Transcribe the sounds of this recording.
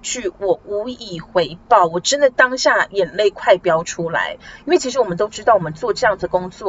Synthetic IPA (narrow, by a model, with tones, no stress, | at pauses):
t͡ɕy˥˩wɔ˨˩u˧˥i˨˩xwe˧˥ɪpɑ˥˩ʊwɔ˨˩ʈ͡ʂə˦nd̪ə˨t̪ɑ˥ŋɕja˥˩jɛ˨˩nle˥˩ɪkʰwa˥˩ɪpjɑ˥ʊʈ͡ʂʰu˥la̰˧˥ɪi˥nwe˥˩ɪt͡ɕʰi˥ʂɻwɔ˨˩ə˦nt̪o˥ʊʈ͡ʂɻ̩˥t̪ɑ˥˩ʊwɔ˨˩mə˦nt͡swɔ˥˧ʈ͡ʂɤ˥˧jɑ˥˩ŋd͡zɨ˩d̪ə˩kʊ˥ŋt͡swɔ˥˨